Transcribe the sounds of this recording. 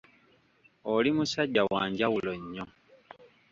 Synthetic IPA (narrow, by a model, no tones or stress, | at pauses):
olimusaɟːawaːɲɟawuloɲːo